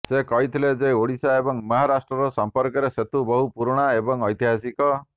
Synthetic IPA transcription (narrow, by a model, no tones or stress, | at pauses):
sekɔɦit̪ʰiled͡ʒeoɽisaebɔŋmɔɦaɾasʈɾɔɾɔsɔmpɔɾkɔɾeset̪ubɔɦupuɾɽ̃aebɔŋɔjt̪iɦasikɔ